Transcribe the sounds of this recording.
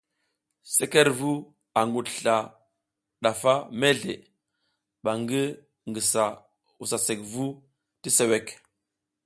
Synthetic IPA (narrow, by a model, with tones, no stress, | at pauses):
se˦ke˦ɾvu˦ | a˨ŋɡu˨tɬa˨ | ɗa˨fa˦me˦ɮḛ˨ | ɓa˨ŋɡi˦ | ŋɡi˨sa˨ | u˨sa˨se˨kvu˦ | ti˦se˨we˦k